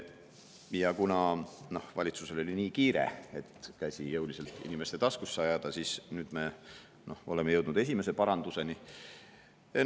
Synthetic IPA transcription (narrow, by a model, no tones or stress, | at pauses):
jɑkunɑno̞hvɑ̰lʲit̪suse̞lo̞lʲiniːkiːɾe̞̰e̞t̪ːkæsʲijɤwlise̞lt̪ːˑḭnimest̪e̞t̪ɑskusːeɑjɑd̪̥ɑsisnyːd̪̥me̞ | nʔo̞ho̞le̞mejɤwd̪nud̪e̞sʲime̞se̞pɑɾɑnd̪̥use̞ni | e